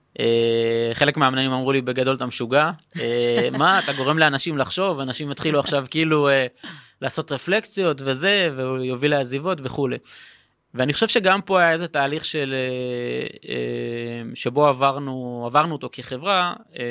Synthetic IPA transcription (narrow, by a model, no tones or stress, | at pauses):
ʔeχe̞lekmeamnaimamʁulibe̞ɡado̞lt̪amʃuɡaemaːtaɡo̞ʁe̞mleanaʃimlaχʃo̞vanaʃimet̪χiluaχʃavkiiːluelaːsot̪ʁefle̞kt͡sijo̞tve̞ze̞veujovileazivo̞tve̞χule̞ | veaniχo̞ʃe̞vʃeɡampo̞ajae̞zet̪aːliχʃe̞le | ḛmʃe̞bo̞avaʁnuavaʁnuoto̞keχevʁae